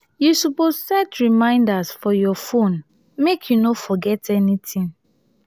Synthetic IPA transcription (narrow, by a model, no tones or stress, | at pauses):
jusupossɛtɹimãɪ̃ndasfɔjɔfõn | mekʰjunofɔɡɛtʰɛnitʰĩŋ